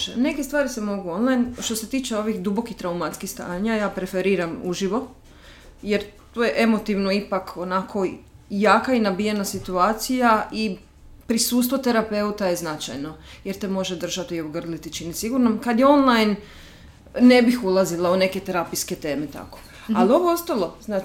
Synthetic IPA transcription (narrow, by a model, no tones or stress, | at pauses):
ne̞kest̪ʋaːɾisemo̞ɡuo̞nlˠajnʃt̪o̞set̪iːt͡ʃeo̞ʋixd̪ubo̞kit̪ɾaumat̪skixst̪a̰ːɲajaːpɾe̞feɾiːɾamuʒiʋo̞ | jeɾt̪ojeʔe̞mo̞t̪iʋnoipakʰonakʰo̞ | jaːkainabije̞nasit̪uaːt̪sijaʔi | pɾisuːst̪ʋot̪e̞ɾape̞ut̪aje̞znat͡ʃa̰jno̞jeɾt̪e̞mo̞ʒed̪r̩ʒat̪iobɡr̩lit̪it͡ʃinisiɡuɾnamkad̪jeo̞nlˠajn | e̞bixulˠazilaune̞ke̞t̪eɾapijske̞t̪e̞ːmet̪a̰ko̥ | alio̞ʋoost̪alo̞zna